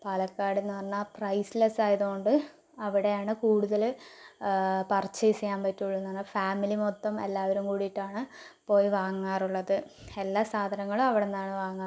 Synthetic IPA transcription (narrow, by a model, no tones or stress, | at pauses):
pɐlɐkːaːɽenːɨʋɐrnːaːprɐjslɐsaːjɐðuoɳɖɨ | ɐʋiɽe̞jaːɳɨkuːɽuðɐl | pɐrt͡ɕːɐjisɐjaːmpɐtːuɭːunːɐnːɐfaːmilimot̪ːɐme̞̰lːaːʋɐɾumkuːɽijiʈːaːɳɨpo̞ːjiʋaːŋːaːruɭːɐðɨe̞lːaːsaːd̪ʱɐnɐŋːɐɭumɐʋiɽenːaːɳɨʋaːŋːa